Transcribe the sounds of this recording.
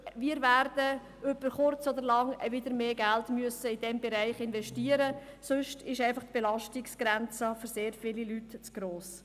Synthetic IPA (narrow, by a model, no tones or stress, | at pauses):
ʋiːəɾvæːɾd̥ə | øbəɾχʊrt͡sɔd̪əɾlɑŋvɪd̪əɾmeːɡæltmyəsəid̥ɛmbɛɾæɪχɪnvɛʃtiːəɾə | sʊʃtʰɪʃæɪfɑχt̪b̥ɛlɑʃtɪksɡ̥ɾænt͡səfyɾseːɾfɪlilytt͡sɡ̥ɾoːs